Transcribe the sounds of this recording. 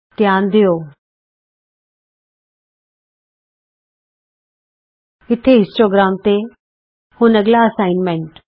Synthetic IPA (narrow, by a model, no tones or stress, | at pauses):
t̪jaːnd̪ijoː | ɪt̪ʰeɪ̃sʈoːɡɾaːmt̪e | hʊ̃nɐɡlaɐsaːɪnmẽɳʈ